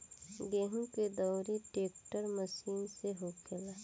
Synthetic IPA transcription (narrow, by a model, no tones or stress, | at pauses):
ɡeːɦũked̪ɔːɾeʈeːkʈəɾməsiːnseɦoːkʰelaː